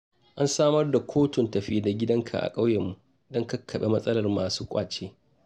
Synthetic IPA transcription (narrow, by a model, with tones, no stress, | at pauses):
ʔa˦nsaː˦mɐ˦rda˨kʷʰoː˦tʊ˨ntɐ˨ɸiː˦da˨ɡʲɪ˦dɐ˦ŋkʰa̰˨ʔa̰˨kʼa˦wjɛ˨mːu˨ | dɔ˦ŋka˦kʰːɐ˨ɓe˦mɐ˦sʼɐ˦lɐ˨rmaː˨suː˦kʷʼaː˨t͡ʃeː˦